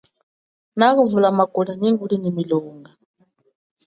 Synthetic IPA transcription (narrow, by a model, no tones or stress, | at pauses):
naɣuvulamakʼuɺaniŋɡuɺinimilɔːŋɡa